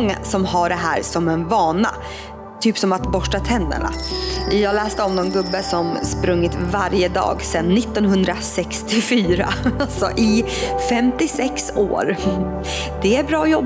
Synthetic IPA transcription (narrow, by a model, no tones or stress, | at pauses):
ŋːa̰sɔmɦaɖɛɦæ̰ːɾsɔmɛnvɑːna̰ | t̪ʰyːpsɔmat̪bɔʂʈat̪ʰɛnd̪ə̰ɳa̰jɑːlɛːst̪əɔmnɔnɡɵbːəsɔmspɾɵŋːɪt̪vaɾjəd̪ɑ̰ːɡsɛnːɪt̪ːɔnɦɵnd̪ɾasɛkst̪ɪfyːɾa̰alsɔ̰ʔɪ | fɛmt̪ɪsɛkso̰ːɾ | d̪̥ɛæɾbɾɑːjɔbː